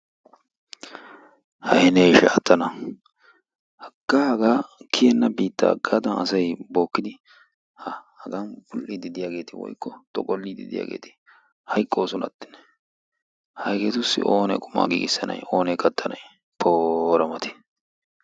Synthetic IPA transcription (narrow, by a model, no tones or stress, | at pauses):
hɐhɛnɛjʃɛɐt̪ːɐnɐ | hɐɡ̥ːaːhɐɡaːkʰɪjɛnːɐbiːt̪ːɐ̰ːɡːaːd̪ɐnɐ̰sɐjbo̞ːkːɪd̪ɪ | hɐhɐɡɐnbʊlːid̪ɪd̪ɪjaːɡe̞ːt̪ɪwɔ̰jkːɔt̪ʼɔkʼɔlːid̪ɪ̰d̪ɪja̰ːɡe̞̰ːt̪ɪ̥ | hɐjkʼːo̞ːsɔnɐ̰t̪ːɪ̥n | hɐjkɛt̪ʊsːɪ̰ʔoːnɛ̰kʼʊma̰ːɡḭːɡɪsːɐnɐ̰jo̞ːnɛkʼɐt̪ʰːɐnɐj | pʰoːɾɐmɐt̪ʰɛ̥